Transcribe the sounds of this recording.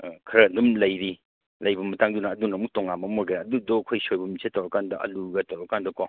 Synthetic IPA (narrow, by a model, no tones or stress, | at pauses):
kʰɐɾɐndumlɐjɾi | lɐjbɐmɐtaŋdunɐːdunɐmuk̚tɔŋamɐmoɾɡeɾaɐdudɔkʰojsojbɐmisʰetːawɾɐkandɐʔɐ̰luɡɐtawɾakandɐkɔ